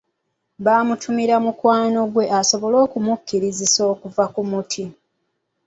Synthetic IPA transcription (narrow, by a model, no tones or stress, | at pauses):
βaːmutʰumiɾamukwaːno̞ɡwe̞ʔaso̞βo̞lo̞ːkumukːiɾiziso̞ːkuvakumutʰi